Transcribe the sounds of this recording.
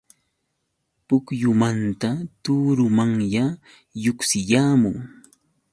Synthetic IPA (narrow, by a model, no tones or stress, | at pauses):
pʊkjʊmant̪at̪uːɾʊmaŋja | jʊksɪjaːmʊŋ